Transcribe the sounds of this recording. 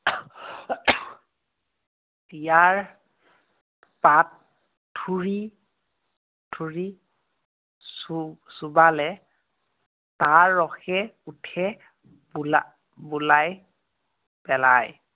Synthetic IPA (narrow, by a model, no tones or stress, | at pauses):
tijaɹ | patʰː | uɹi | tʰuɹi | susubalɛ | taɹːɔxɛutʰɛ | bula | bulaj | pɛla̰j